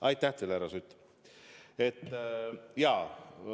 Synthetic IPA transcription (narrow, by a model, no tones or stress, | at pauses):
ɑjt̪ːˑæht̪elæɾɑsyt̪ː | et̪ː | jɑː